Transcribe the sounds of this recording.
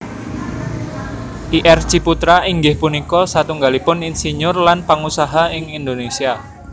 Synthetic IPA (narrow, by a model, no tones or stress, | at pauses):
ʔiʔɛrt͡ʃiput̪ɾaiŋɡɪhpunikɔsat̪uŋɡalipʊninsiɲʊrlanpaŋusaɦaɪŋind̪onesia